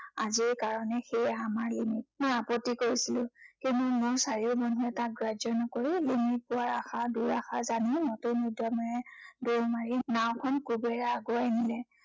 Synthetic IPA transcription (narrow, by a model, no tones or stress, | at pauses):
a̰ziɹkaɹɔnɛxejamaɹlimit̚mojapɔtːikoɹisilʊ̃kintumʊɹsaɹiʊbɔnuɛtak̚ɡɹazɔnɔkoɹilimit̚pʊaɹaxaduɹaxazanimɔtonɔdamɔjɛdoɹmaɹinaw̃kʰɔnkubɛjaːɡɔajnilɛ